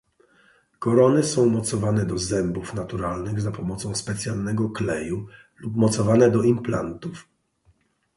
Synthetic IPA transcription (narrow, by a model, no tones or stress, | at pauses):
kɔɾɔnɘsɔ̃w̃mɔt̪sɔvanɛd̪ɔzɛmbufnat̪uɾalnɘɣzapɔmɔt̪sɔ̃w̃spɛt̪sʲjalnɛɡɔklɛju | lupmɔt̪sɔvanɛd̪ɔimplant̪uf